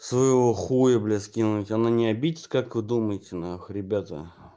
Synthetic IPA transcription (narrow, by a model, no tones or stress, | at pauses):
svəjɪvoxujəblʲeskʲinʊtʲananʲɪabʲidʲɪt̪kakvɨd̪uməjɪtʲɪnaxɾʲɪbʲat̪ə̰